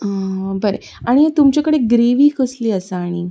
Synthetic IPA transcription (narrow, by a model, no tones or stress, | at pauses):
əbəɾḛ | aɽ̃iɦet̪umt͡ɕakəɽeɡɾeʋiːkəsliːəsaaɽ̃i